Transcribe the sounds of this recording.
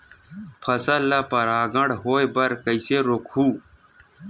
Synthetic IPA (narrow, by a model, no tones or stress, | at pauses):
pʰɐsɐlːɐpɐɾaːɡɐɽɦoːjbɐɾkəiseɾokʰhuː